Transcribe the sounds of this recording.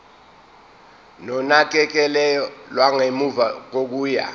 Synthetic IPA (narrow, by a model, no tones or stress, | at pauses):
nɔnak̬ʼɛk̬ɛlɛjɔlwaŋemuvak̬ok̬uːja̰